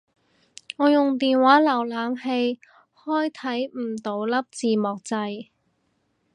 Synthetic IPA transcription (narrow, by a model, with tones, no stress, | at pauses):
ŋɔː˨˧jʊ˨ŋt̪iː˨nwaː˨˥lɐ˨˩wlaː˨˧mhe˧j | hɔː˥jt̪ʰɐ˨˥jm̩˨˩t̪o˨˥wlɐ˥p̚t͡siː˨mɔː˨k̚t͡sɐ˧j